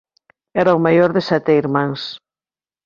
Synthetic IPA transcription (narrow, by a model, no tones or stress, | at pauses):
ɛɾaomajoɾðesat̪eiɾmãŋs